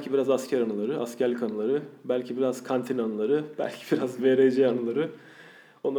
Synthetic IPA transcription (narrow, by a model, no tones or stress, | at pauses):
cʰibiɾazascʰæɾanɯlˠaɾɯʔascʰælʲkʰanɯlˠaɾɯbælʲcʰibiɾazkʰant̪ʰinanɯlˠaɾɯb̥æ̰lʲcʰi̥b̥iɾazveɾejd͡ʒɛanɯlˠaɾɯ | o̞nː